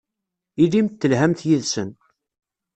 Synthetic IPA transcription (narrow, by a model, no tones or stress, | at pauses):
ilimt̪ːəlɦæmθjiðsən